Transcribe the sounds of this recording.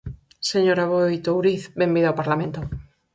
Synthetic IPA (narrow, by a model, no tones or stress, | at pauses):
seɲoɾaβojt̪owɾiθbembiðawpaɾlamẽnt̪o